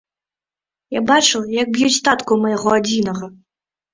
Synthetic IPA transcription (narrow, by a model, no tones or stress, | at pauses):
jabat͡ʂɨljɐɡ̚bjut͡sʲt̪at̪kumɐjɐɣɔad͡zʲinɐɣɐ